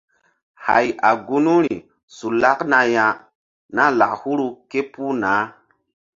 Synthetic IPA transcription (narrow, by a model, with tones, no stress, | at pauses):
ha̰˨ja˨ɡu˦nu˦ɾi˨ | su˨la˦kna˨ja˨ | na˦la˨khu˦ɾu˧ke˦pu˦naː˨˦